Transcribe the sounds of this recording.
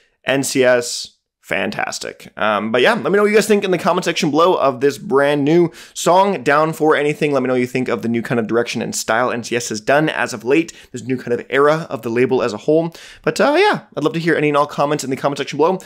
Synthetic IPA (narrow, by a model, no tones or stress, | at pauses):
ʔɛ̃nsiɛs | fæ̰̃ntʰæ̰stɪ̰kʔʌ̃mbʌt̚jælɛt̚minoʊjɨɡaɪzθɪ̃ŋkɨ̃nðɨkʰɑmənsɛkʃɨ̃n̩bloʊʔʌvðɪsbɹæ̃nːʉsɔ̃ŋdãʊ̃nfə˞ɛñiθɪ̃ŋlɛt̚minoʊjɨθɪ̃ŋkʌvðɨnʉkʰãɪ̃ndʌvdə˞ɛkʃɨ̃nɨ̰̃nstaɪlˠɛ̰̃nsiɛshɨzdʌ̃nɨ̰zʌvleɪt̪̚ðɪsnʉkʰãɪ̃ndʌvɛɹəʌ̰vðəleɪbl̩ˠəzəhoʊlˠb̥ʌtʌjæaɪdˡlʌvtɨɦiɹʔɛ̰ñiɨ̃nɔlˠkʰɑmɛ̃ntsn̩ðɨkʰɑ̃mə̃nsɛkʃn̩bloʊ